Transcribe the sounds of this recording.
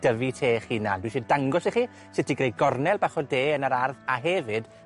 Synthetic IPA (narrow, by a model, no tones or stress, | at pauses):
d̥əvitʰeːχiːna̰ndwiʃidaŋɡɔsiχiː | sɪtʰiɡrej̚ɡɔrnɛlˠbaχɔdeːənaɾarðaɦɛvɨd̥